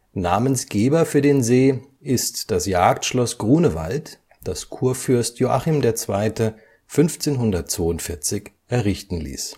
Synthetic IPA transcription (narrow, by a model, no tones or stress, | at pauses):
naːmənsɡ̥eːbɐfyːɐdeːnzeː | ɪstd̥asjaːktʃlɔsɡ̥ʁuːnəva̰lt | d̥askʰuːɐfʏɐstjoʔa̰χimdeːɐt͡sv̥aɪtə | fʏnft͡seːnɦʊndɐt̚t͡sv̥oːʊntfɪɐt͡sɪç | ʔɛɐʁɪçtn̩lḭːs